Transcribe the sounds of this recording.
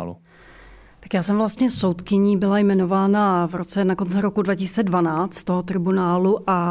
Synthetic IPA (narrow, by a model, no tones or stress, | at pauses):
lṵ | t̪ḁkjaːsɛmvlast̪ɲɛso̞wt̪kɪɲiːbɪlajmɛno̞vaːnavɾo̞t͡sɛnako̞nt͡sɪɾo̞kudvacɪsi̥ːt͡sɛdvanaːt͡st̪t̪oɦot̪ɾɪbunaːluʔa